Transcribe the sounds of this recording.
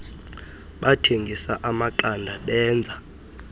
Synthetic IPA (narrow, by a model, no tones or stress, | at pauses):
ɓatʰeŋɡʱisaʔamaǃandʱaɓɛːnd͡zʱa